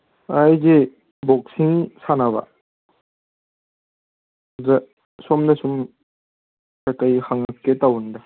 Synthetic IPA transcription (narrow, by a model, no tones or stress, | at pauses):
ajze | bɔk̚siŋsanaβɐ̰ | zɐ | sɔmdɐsum | kakajhaŋɐkːetawndɐ